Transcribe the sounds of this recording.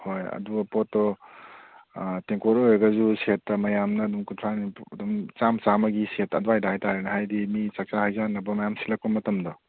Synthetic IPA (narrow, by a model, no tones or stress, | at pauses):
hojɐ̰duɡɐpotːɔ | teŋkoɾoɾɐɡɐzusetːɐmɐjamnɐːdumkuntʰɾaniɐdumt͡ʃamt͡ʃamɐɡisetɐduajdajtaɾenɐhajdimit͡ʃɐk̚t͡ʃahajzanːɐbɐmɐjamsilɐk̚pɐmɐtɐmdɔ